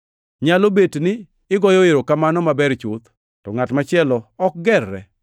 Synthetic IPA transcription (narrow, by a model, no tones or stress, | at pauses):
ɲalobetnɪː | ɡɔjɔɪɾokamanɔmabɛɾt͡ʃʊt̪ | tɔŋatmat͡ʃɪɛlɔɔk̚ɡɛrːɛ̰